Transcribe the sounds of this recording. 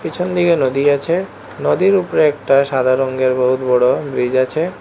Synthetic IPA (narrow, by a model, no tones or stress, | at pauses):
pit͡ɕʰond̪ikenod̪iat͡ɕʰe | nod̪iɾupɾeɛk̚ʈaʃad̪ʱaɾoŋɡeɾboɦut̪bɔɽobɾid͡ʑat͡ɕʰe